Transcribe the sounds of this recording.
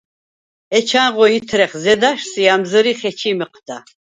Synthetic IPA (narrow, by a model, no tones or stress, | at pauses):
ɛt͡ʃʰanʁɔit̪ʰɾɛχzɛd̪aʃsiamzəɾiχɛt͡ʃʰiməq̚ʼʰd̪̥a